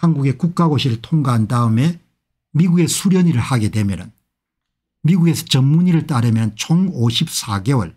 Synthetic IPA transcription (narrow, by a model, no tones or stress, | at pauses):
hanɡuɡe̞kuk̚k͈aɡoɕʰiɾɯɭtʰoŋɡaɦandaɯme̞ | miɡuɡe̞sʰuɾjʌɲiɾɯɭhaɡe̞dwe̞mjʌnɯn | miɡuɡe̞sʰʌ̥t͡ɕʌmːuɲiɾɯɭt͈aɾɯmjʌnt͡ɕʰoŋoɕʰip̚s͈ʰaɡe̞wʌ̰ɭ